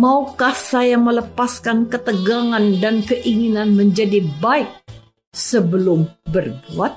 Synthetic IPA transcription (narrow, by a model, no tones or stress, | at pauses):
maukahsajamələpaskankət̪əɡaŋandankəʔiŋinanməɲd͡ʒadibaɪk̚ | səbəlʊmbərbuat̪̚